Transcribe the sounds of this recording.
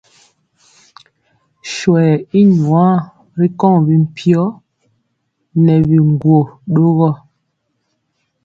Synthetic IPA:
ʃwɛ˨i˦ɲwa˦ | ɾi˦kɔ˦˨ŋbi˦m̩˨pʰjɔ˦ | nɛ˨bi˨ŋ˨ɡwo˨ɗo˦ɣɔ˦˨

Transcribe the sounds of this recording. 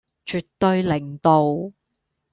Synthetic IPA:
t͡ʃyː˨tt̪ːɵ˧ɥlɪ˨˩ŋt̪o˨˧w

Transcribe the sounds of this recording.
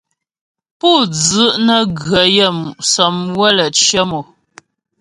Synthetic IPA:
pu˦˨d͡zə˨˦ʔnə˦ɡɰə˨jə˦˨mu˨sə˨mwə˦lə˨t͡ʃjə˦mo˨

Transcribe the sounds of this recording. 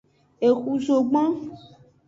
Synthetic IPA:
e˨xu˨zo˨ɡ͡bã˦

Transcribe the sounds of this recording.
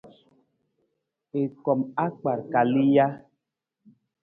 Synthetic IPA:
e˨kɔ˨ma˦k͡pa˨ɾka˨li˦ja˦

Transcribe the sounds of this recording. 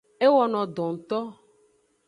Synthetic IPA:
e˦wɔ˨nɔ̃˨d̪ɔ̃˨ŋ̩˨t̪ɔ˦

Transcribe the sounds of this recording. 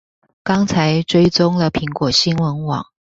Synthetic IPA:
kɑ˥ŋt͡sʰa˧˥ɪʈ͡ʂwe˥ɪt͡sʊ˥ŋlə˨pʰi˧˥ŋkwɔ˨˩ɕi˥nwə˧˥nwɑ̰˨˩˦ŋ

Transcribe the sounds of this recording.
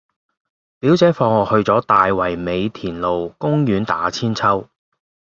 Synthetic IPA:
piː˨˥wt͡sɛː˨˥fɔː˧ŋɔː˨˧hɵ˧ɥt͡sɔː˨˥t̪aː˨jwɐ˨˩jme˨˧jt̪ʰiː˨˩nlo˨wkʊ˥ŋjyː˨˧nt̪a̰ː˨˥t͡sʰiː˥nt͡sʰɐ˥w

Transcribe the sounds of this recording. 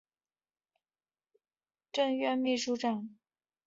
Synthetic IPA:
ʈ͡ʂɤ˥˧ŋɥɛ˥˧nmi˥˧ʂu˥˧ʈ͡ʂɑ˨˩ŋ

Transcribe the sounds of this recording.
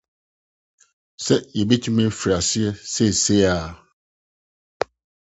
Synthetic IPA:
sɛ˦jɛ˨be˦tʰi˦mɛ̃˦fɾa˨sɪ˦ɛ˦sɛ˦˨se˦a˨

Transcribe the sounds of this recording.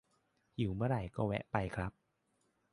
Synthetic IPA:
ju˨˩˦mɯ˥˩˨ɾa˧˩jkɔː˥˩wɛ̰˦˥ʔpa˧jkʰɾa˦˥p̚

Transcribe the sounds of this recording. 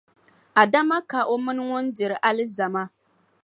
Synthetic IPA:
a˨da˦ma˦ka˨ʔo˦mɨ˦nɨ˦ŋʊ˦ndɪ˨ɾɨ˨ʔa˦lɨ˦za˨ma˦

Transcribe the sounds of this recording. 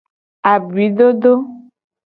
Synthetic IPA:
a˨bi˨˦ɖo˦ɖo˦

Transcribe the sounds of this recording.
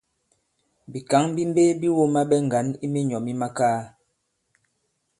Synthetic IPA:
bi˨ka˨˦ŋbi˦m˦be˦bi˦wo˦ma˦ɓɛ˦ŋ̩˨ɡa˨˦ni˦me˦ɲɔ˨mi˦ma˦kaː˦

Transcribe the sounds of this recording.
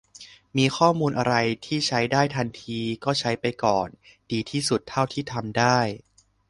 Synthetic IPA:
miː˧xʰɔː˥˩muː˧nʔa˧ɾa˧jt̪ʰiː˥˩t͡ɕʰa˦˥jdaː˥˩jt̪ʰa˧nt̪ʰiː˧kɔː˥˩t͡ɕʰa˦˥jpa˧jkɔː˨˩ndiː˧t̪ʰiː˥˩su˨˩t̪ʰːa˥˩wt̪ʰiː˥˩t̪ʰa˧mdaː˥˩j

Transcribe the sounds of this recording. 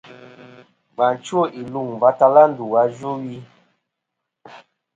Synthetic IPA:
ɡ͡ba˨n˨t͡ʃu˦o˦˨ʔi˨lu˨ŋva˨˦ta˧la˦n˦du˨wa˧˦ʒo˦wi˧

